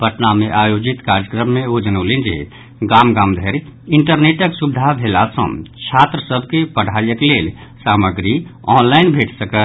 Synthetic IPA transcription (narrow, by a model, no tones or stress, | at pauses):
bʱəʈnameʔajod͡ʒit̪kaɾjəkɾəmːeod͡ʒənolend͡ʒḛ | ɡamɡamd̪ʱeɾiɳʈəɾneʈəksubd̪ʱabʱelasə̰̃mt͡ʃʰat̪ɾəsəbʱkepəɽ̤ʱajəklelsaməɡɾiɔnlaɪnbʱeʈʰsəkə